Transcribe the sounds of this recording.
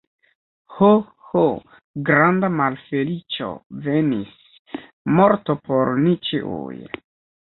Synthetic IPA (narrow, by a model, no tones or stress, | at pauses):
ho | ho | ɡɾandamalfelit͡ʃo̰venis | mo̞ɾtopʰoɾnit͡ʃiʔṵj